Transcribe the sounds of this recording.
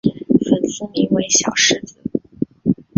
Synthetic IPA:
fə˨˩nsɹ̩˥mi˧˥ŋwe˧˥ɪɕjɑ̰˨˩ʊʂɻ̩˥˧t͡s̩˨˩˦

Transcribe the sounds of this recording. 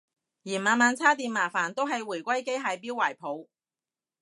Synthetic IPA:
jiː˨˩maː˨˧nmaː˨˧nt͡sʰaː˥t̪̬iː˧nmaː˨˩faː˨˩nt̪o˥wɦɐ˨jwuː˨˩jkʷɐ˥jke˥jɦaː˨˧jpiː˥waː˨˩jpʰo˨˧w

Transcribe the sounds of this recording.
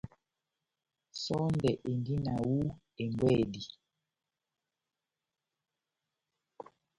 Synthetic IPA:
sɔ˦ndɛ˨ʔe˨ndi˦na˨wu˦ | e˨ŋɡwɛ˦˨di˨

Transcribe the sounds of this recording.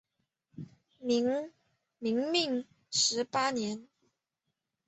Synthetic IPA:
m˧˥ŋ | mi˨˧˥ŋmi˥˩ŋ | ʂɻ̩˧˥pa˥njɛ˧˥n

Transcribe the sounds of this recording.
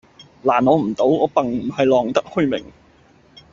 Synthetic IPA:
laː˨˩nɔː˨˧m̩˨˩t̪o˨˥wɔː˨˧˥pɐ˨ŋm̩˨˩hɐ˨jlɔː˨ŋt̪ɐ˥k̚hɵ˥˧ɥmɪ̰˨˩ŋ

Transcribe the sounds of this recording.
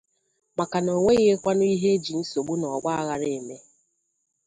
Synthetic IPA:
ma˨ka˨no˨ŋʷe˦ɣe˦kʷa˦nʊ˦i˦ɦe˦d͡ʒi˨n̩˦so˨ɡ͡bu˦nɔ˨ɡ͡ba˦a˦ɣa˨ɾe˨me˦

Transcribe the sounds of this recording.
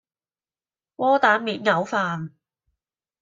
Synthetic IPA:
wɔː˥t̪aː˨˧˥nmiː˨˧t̚ŋɐ˨˧wfaː˨n

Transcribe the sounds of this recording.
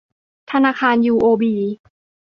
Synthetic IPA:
t̪ʰa˧naː˧kʰaː˧njuː˧ʔoː˧biː˨˩˦

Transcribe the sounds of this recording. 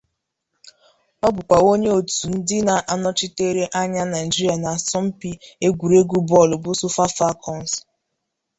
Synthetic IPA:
mɔ˦bʊ˨kʷa˨o˦ɲe˦o˨tu˨n̩˦dɪ˦na˨ʔa˨nɔ˦t͡ʃɪ˦te˦ɾe˦ʔa˦ɲa˦na˨d͡ʒi˦ɾi˦a˨na˨a˨sɔ˦m̩˦pi˦e˦ɡʷu˨ɾe˦ɡʷu˦bɔ˦˨lʊ˨bʊ˦sʊ˦fa˦fa˦kʰɔ˨n˨s

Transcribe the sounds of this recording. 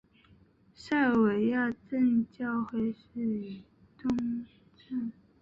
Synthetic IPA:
ʂa˥˩ɪwe˨˥ɪja˥˧ʈ͡ʂə˥˧nt͡ɕjɑ˥˧ʊxwe˥˧ɪʂ̩˥˩y˨˩ | t̪ʊ˥ŋ | ʈ͡ʂə˥˩n

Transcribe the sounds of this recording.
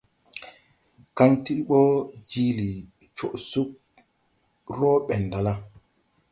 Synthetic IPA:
ka˦nti˦ɓɔ˦d͡ʒi˦li˨ | t͡ʃɔ˨ʔsu˦k̚ | ɾɔː˦ɓɛ˨nda˨la˦

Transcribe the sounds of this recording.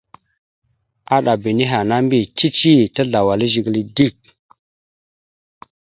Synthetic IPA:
a˦ɗa˨bi˨ni˦ɦa˨na˦mbi˦t͡ʃi˦t͡ʃi˦ta˦ɮa˨wa˨li˦ʒi˨ɡli˦di˦˨k̚

